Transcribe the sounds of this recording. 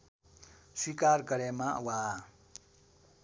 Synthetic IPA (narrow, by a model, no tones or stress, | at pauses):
swikarɡʌɾemawa